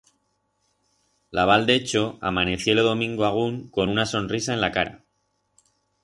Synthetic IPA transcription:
laβ̞ald̪e̞t͡ʃo̞a̰mane̞θjo̞loðo̞mĩŋɡoaɣ̞uŋko̞nunaso̞nrisae̞nlakaɾa̰

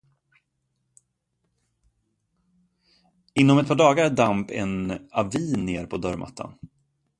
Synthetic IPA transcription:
ɪnːɔmɛt̪̚pʰɑːɖɑːɡaɾdampɛ̰naviːnːeːɾpʰɔd̪œɾmʔa̰t̪ʰːa̰n

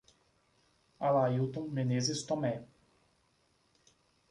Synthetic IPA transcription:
alajut̪õŋmenezest̪ɔmɛ

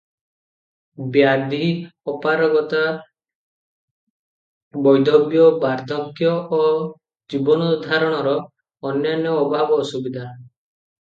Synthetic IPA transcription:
bjad̪iɔpaɾɔɡɔt̪a | bɔjd̪ɔbjɔbaɾd̪ʱɔɡjɔʔː | d͡ʒibɔnud̪ʱaɾɔɽ̃ɔɾɔː | njanjɔːbʱabɔːsubid̪ʱa

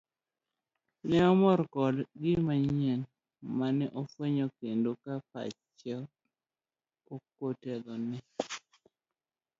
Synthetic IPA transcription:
nɛɔmɔɾkɔdɡɪmaɲɛn | manɛʔɔfweɲokendokapa̰t͡ʃɛ | okotɛlɔnɛ

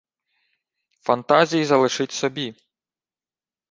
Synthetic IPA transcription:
fɐnt̪azʲijizɐlˠɪʃɪtʲsɔbʲi

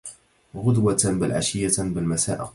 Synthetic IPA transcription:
ɣʊd̪wabɪlʕa̰ʃɪjːabɪlmasa̰ːʔ

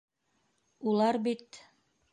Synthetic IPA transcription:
ulˠɑɾbit̪

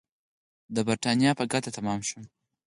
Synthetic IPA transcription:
d̪əbɐɾtanijapaɡat̪at̪amamʃu

